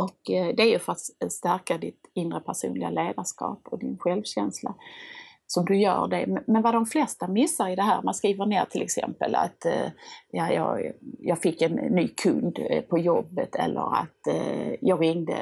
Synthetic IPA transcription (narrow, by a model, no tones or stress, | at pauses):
ʔɔkd̪ɛæɾjɵfœɾat̪st̪æɾkad̪ɪt̪ɪnːɾəpʰæʂṵːnlɪɡaleːd̪aʂkɑ̰ːpɔd̪ɪnɧɛlvɕɛnsla | sɔmd̪ɵjœ̰ːɖɛmmɛnvad̪ɔmflɛst̪amɪsːaɾɪd̪ɛɦæːɾmanskɾiːvəɳeːɾt̪ʰɪlʔɛksɛ̰mpə̰la̰t̪ | jɑjɑːɡjɑːɡfɪkːɛnːyːkʰɵnd̪pʰɔjɔbːət̪ʰɛ̰lːʔə̰ɾa̰t̪jɑːɡɾɪŋd̪ə̰